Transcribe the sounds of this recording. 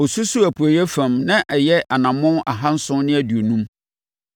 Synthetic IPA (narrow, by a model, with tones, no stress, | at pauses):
o˨su˦su˦æ˨pʰu˨æ˨jɛ˦fæ̃˨mnã˦ʔɛ˨jɛ˦ʔa˨nã˨mʊ̃˦a̰˨ɦã˦n̩˦sʊ̃˦nɪ̃˦æ˦du˨o˨nũ˦m